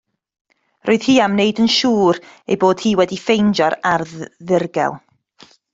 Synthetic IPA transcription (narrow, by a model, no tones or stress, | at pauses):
roːɨð̥hiːamnejdənʃuːɾḛjboːd̥hiːwɛdifejnd͡ʒɔɾarðɪrɡɛ̰lˠ